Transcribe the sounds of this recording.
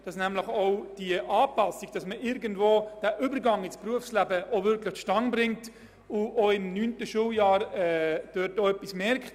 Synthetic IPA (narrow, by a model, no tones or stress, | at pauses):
d̥ɑsnæmləχɔʊd̥iəʔɑːpɑsiɡ̥̚d̥ɑsməʔɪɾɡəndvoːd̥æːʔybəɾɡɑŋɪspruəfslæbəʔovʏɾkləχʃtɑŋbɾɪŋt | ʊʔoɪmnyːntəʃuljɑːɾɛd̥øtoœpːismɛɾkχt